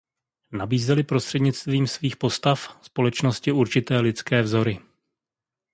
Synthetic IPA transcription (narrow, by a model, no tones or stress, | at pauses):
nabiːzɛlɪpɾost̪r̥ɛdɲɪt͡st̪viːmsviːxpo̞st̪afspo̞lɛt͡ʃno̞scɪuɾt͡ʃɪt̪ɛːlɪt͡skɛːvzo̞ɾɪ